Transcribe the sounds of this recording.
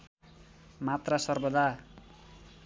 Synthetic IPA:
mat̪rasʌrbʌd̪a

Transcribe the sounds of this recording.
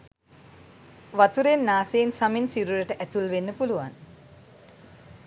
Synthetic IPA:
ʋat̪uɾenːaːsensaminsiɾuɾəʈəʔæt̪ulʋenːəpuluʋa̰n

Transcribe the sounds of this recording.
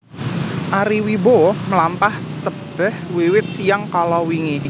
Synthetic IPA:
ʔaɾiwiboməlampaht̪əb̥ɛhwiwɪt̪̚sijaŋkalɔwiŋi

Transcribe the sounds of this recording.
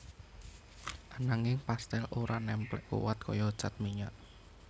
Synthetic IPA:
ʔanaŋɪŋpast̪ɛloɾʔanɛmplɛ̰ʔkṵwat̪̚kɔjɔ̥t͡ʃat̪̚miɲaʔ

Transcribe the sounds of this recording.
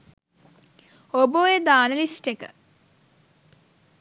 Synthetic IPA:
oboːed̪aːnəlisʈekə̰

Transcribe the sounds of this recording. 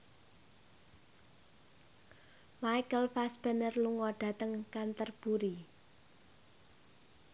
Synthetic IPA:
majkəlfasb̥ə̤nərluŋɔɖ̥a̤t̪əŋkant̪ərb̥uɾi

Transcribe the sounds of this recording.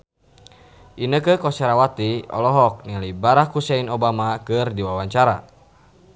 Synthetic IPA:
ʔinəkəkɔsɛɾawat̪iɔ̰lɔɦɔk̚nilibaɾakhusɛinɔbamakɨrdiwawaɲt͡ʃaɾa̰

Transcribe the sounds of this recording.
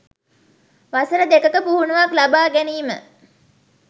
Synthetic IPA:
ʋasəɾəd̪ekəkəpuɦunuʋaklabaːɡæniːmə

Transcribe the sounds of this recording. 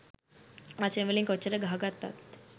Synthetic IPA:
aseʋeliːŋkət͡ɕəɾəɡʱaɡat̪ːa̰t̪

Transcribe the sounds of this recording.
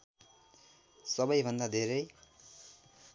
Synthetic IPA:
sʌbʌjbʱʌnd̪ad̪ʱeɾʌj

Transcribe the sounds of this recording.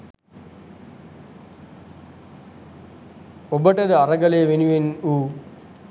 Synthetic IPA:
obəʈəd̪əaɾɐɡɐleːʋenuʋenuː

